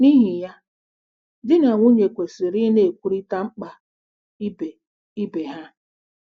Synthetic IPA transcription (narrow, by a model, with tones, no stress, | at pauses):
ni˦ɦi˨ja˦ | dɪ˦na˨ŋʷu˦ɲe˨kʷe˨si˨ɾi˦ne˦˨e˨kʷu˦ɾi˦ta˦ŋ͡m̩˦k͡pa˦ | i˦be˨ | i˦be˨ɦa˦